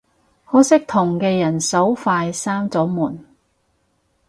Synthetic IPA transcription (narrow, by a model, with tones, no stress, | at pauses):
hɔː˨˥sɪ˥k̚t̪ʰʊ˨˩ŋkɛː˧jɐ˨˩nsɐ˨˥wfaː˧jsaː˥mt͡sɔː˨˥muː˨˩n